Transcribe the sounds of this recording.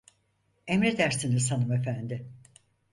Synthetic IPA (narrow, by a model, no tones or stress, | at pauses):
emɾed̪æɾsinizsanɯmefænd̪ɪ